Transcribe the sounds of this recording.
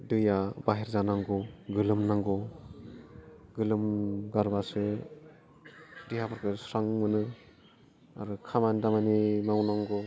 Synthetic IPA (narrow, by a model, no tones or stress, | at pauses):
dɯjabaɦeɾzanaŋɡɔɡɯlɯmnaŋɡɔ | ɡɯlɯmɡaɾbasɯ | diɦapʰɔɾkʰɯsɾaŋmɯnɯ | a̰ɾɯkʰamandamanimawnaŋɡɔ